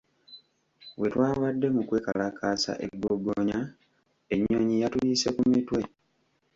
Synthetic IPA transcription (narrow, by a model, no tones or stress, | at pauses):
we̞twaːβadːe̞mukwe̞ːkalakʰaːsa̰ʔe̞̰ɡːoɡoɲa | e̞ɲːoɲijatuliːse̞kumitwe̞